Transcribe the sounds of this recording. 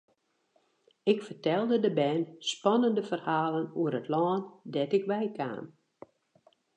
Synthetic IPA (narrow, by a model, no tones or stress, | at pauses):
ɪkfərtɛlˠdədəbɛːnspɔnəndəfərhaːlənuəɾətʰlɔːndɛtɪkʋɛjkʰa̰ːn